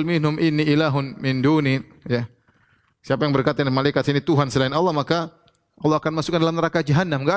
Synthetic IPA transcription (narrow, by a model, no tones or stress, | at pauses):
lmɪnɦʊmʔɪnːiʔilaɦʊnmɪnduni | ja | siapajaŋbərkat̪anmalajkat̪sinit̪uɦansəlainɑlˠːɑhmaka | ɔlːɑhakanmasukandalamnəɾakad͡ʒaɦanːamɡa